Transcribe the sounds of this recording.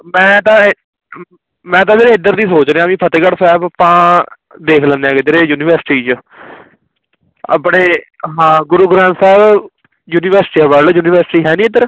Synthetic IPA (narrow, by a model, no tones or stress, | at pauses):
mɛ̃ːt̪ãː | mɛ̃ːt̪̬ãːmeːɾeɪd̪əɾd̪iːsoːt͡ʃneːãːmĩːpʰət̪eːkəɽsɛːbəpãː | d̪eːkʰlə̃nd̪eãːɡɪd̪əɾeːjuːnɪʋəɾsɪ̥ʈiːt͡ʃə | a̰ːpɳeːɦãːɡʊɾuːɡɾãːnsɛːb | juːnɪʋəɾsʈiːabəljuːnɪːʋəɾsʈiːɦɛːnĩːɪd̪əɾ